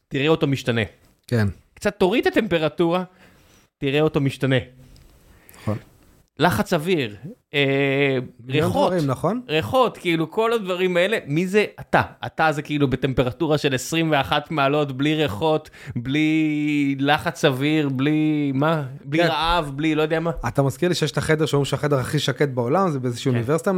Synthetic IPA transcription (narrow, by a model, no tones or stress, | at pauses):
tiʁeotomiʃtane̞ | kenkt͡sat̪ːo̞ʁit̪ate̞mpe̞ʁatuʁa | tiʁeo̞t̪omiʃtane̞ | on | laχat͡saviʁ | e | ʁeoinaχonʁeχo̞tkiiluko̞lad̪vaʁimae̞le̞mizeat̪aatazekiilube̞te̞mpe̞ʁatuʁaʃe̞lesʁimve̞aχat̪maːlo̞tbliʁeχo̞t | bli | laχat͡saviʁblimabliʁaavblilo̞jod̪eamaat̪amazkiʁliʃejeʃt̪aχed̪e̞ʃeomiʃeaχed̪eaχiʃaket̪̚bao̞lamzebeezeʃiːuniveʁsit̪a